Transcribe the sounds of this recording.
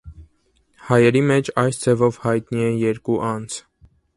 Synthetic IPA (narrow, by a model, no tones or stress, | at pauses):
hɑjɛɾimɛt͡ʃʰɑjsd͡zʰɛvɔvhɑjt̪niɛjɛɾkuʔɑnd͡zʰ